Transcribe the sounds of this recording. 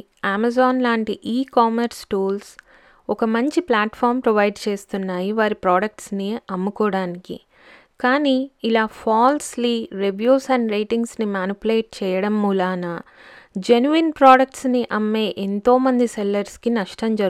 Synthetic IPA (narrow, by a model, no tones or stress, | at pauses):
aːmɐzaːnlaːɳʈiʔiːkaːmɐɾsʈuːls | ɔkɐmɐɲt͡ʃiplaːʈpʰaːɾmpɾɐʋɐjɖt͡ʃe̞ːst̪unːaːjiʋaːɾipɾaːɖɐk̚ʈsniɐmːukɔːɽaːnikḭ | kaːniːlaːpʰaːlsliːɾeʋjuːsɐnɾejʈiŋɡsnimaːnipleːʈ̚t͡ʃɛːjɐɽɐmːuːlaːnɐd͡ʒenuʋinpɾaːɖɐk̚ʈsniʔɐmːe̞ːʔent̪o̞ːmɐnd̪isɛlːɐɾskinɐʂʈɐmd͡ʒɐɾ